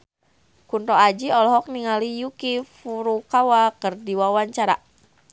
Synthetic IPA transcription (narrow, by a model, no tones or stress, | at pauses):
kunt̪ɔad͡ʒiɔlɔɦɔk̚niŋalijukifuɾukawakərdiwawaɲt͡ʃaɾa̰